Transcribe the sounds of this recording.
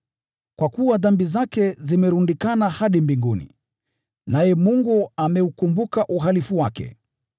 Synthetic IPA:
kwakuwaðambizakɛzimɛɾundikanahaɗimbiŋɡunḭ | najɛmuŋɡuamɛukumbukaʔuɦalifuwakɛ̰

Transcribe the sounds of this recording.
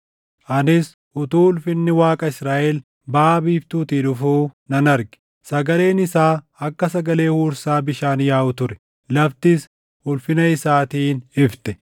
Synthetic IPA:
ʔɐnɪs | ʔʊt̪uːʊlfɪnːɪwaːkʼɐɪsɾaːʔɛl | baːbiːft̪uːt̪iːᶑʊfuːnɐnɐɾɡɪ̥ | sɐɡɐle̞ːnɪsaː | ɐkːɐs̬ɐɡɐle̞ːhuːɾsaːbɪʃaːnjaːʔʊt̪ʊɾɛ̥ | lɐft̪ɪs | hʊlfɪnɐɪsaːt̪iːnɪft̪ɛ̥

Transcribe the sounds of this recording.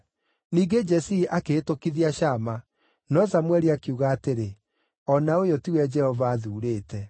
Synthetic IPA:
niːɡed͡ʒɛsiʔakeːtokiðiaʃama | nɔsamwɛɾiakiuɣaːteɾe | ɔnaojotiwɛd͡ʒɛhɔvaːðuːɾeːtɛ

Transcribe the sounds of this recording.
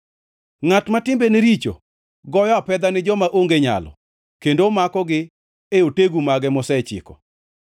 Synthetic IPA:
ŋatmatɪmbeneɾit͡ʃo̰ | ɡɔjɔpɛd̪anɪd͡ʒɔmaʔoŋɡeɲa̰lɔ̰ | kendomakɔɡɪ | eoteɡumaɡɛmɔsɛt͡ʃɪ̰kɔ

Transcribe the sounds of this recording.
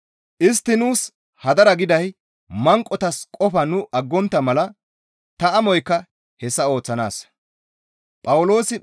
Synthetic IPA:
ʔɪs̬t̪ːɪnuːs | hɐd̪ɐɾɐɡɪd̪ɐj | mɐŋkʼːɔt̪ɐskʼɔfɐnʊʔɐɡːɔnt̪ːɐmɐlɐ | t̪ɐɐmɔjkːɐ | hɛsːɐo̞ːt͡sːɐna̰ːs | pʼɐwʊlo̞ːsɪ

